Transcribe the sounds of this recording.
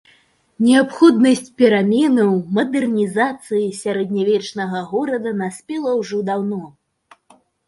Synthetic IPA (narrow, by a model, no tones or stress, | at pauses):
nʲɛapxɔd̪nɐsʲt͡sʲpʲɛɾamʲɛnɐwmɐd̪ɛrnʲizat̪sɨjisʲaɾɛd̪nʲavʲɛt͡ʂnɐɣɐɣɔɾɐd̪ɐnasʲpʲɛlˠɐwʐɔd̪awnɔ